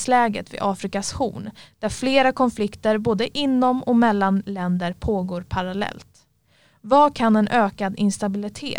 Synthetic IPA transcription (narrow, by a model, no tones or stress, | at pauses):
slɛːɡə̰t̪vɪ̰ʔɑːfɾɪkashṵːnd̪̥æɾfleːɾakʰɔnflɪkt̪əɾboːd̪əʔɪnːɔmɔmɛlːanlɛnd̪əɾpʰoːɡoːɾpʰaɾalɛ̰lt̪ | vakʰanɛnʔøːkad̪ɪnst̪abɪlɪt̪ʰḛː